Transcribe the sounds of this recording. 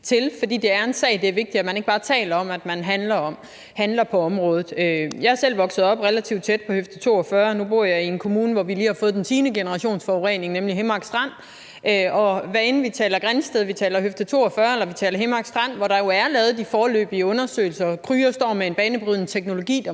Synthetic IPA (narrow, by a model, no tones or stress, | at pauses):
t͡sʰe̝lfɒ̽d̥ḭːd̥e̝æɐe̝nsɛ̰ːd̥e̝æɐʋe̝ɡ̥̚d̥iæmæne̝ɡ̥̚b̥ɑ̈ːt͡sʰɛ̰ːlɐɒ̽mæd̥mænɦænlɐɒ̽m | hænlɐpʰɒ̽ɒ̽mʁɔ̽ːð̩ˠøjɑ̈hɐsel̰ʋɒ̽ɡ̥sð̩ˠɒ̽b̥ʁelæt͡sʰiʊd̥̚t͡sʰed̥̚pʰɒ̽høfd̥ət͡sʰo̝̰ːɒfɶːɐnub̥o̝ɐ̰jɑ̈ɪie̝nkʰo̝muːnəʋɒʋiliːhɑ̈fɔð̞̩ˠdent͡sʰiːnəɡ̥e̝nəʁɑ̈ɕo̝̰ːnsfɒʊʁene̝ŋnemliɦemɑ̈ɡ̥sd̥ʁɑn̰ | ʔøɒ̽ʋæɐenn̩əʋit͡sʰɛ̰ːlɐɡ̥ʁansd̥eðˠʋit͡sʰɛ̰ːlɐɦøfd̥ət͡sʰo̝̰ːɒfɶːɐelɐʋit͡sʰɛ̰ːlɐɦemɑ̈ɡ̥sd̥ʁɑn̰ʋɒɾ̥ɑ̈jo̝æɐlɛːð̞̩ˠd̥ifɒːlø̰ːb̥iəɔ̽nɐsø̰ːɪlsɐkʰʁyːɐsd̥ɒ̰ːmee̝nb̥ɛːnəb̥ʁyðˠnət͡sʰeɡ̥no̝lo̝ɡ̥ḭːd̥